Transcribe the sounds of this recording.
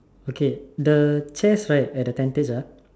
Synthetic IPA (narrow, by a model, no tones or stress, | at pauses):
okedət͡ʃɛsɹajt̚ɛt̚dətɛ̃nted͡ʒə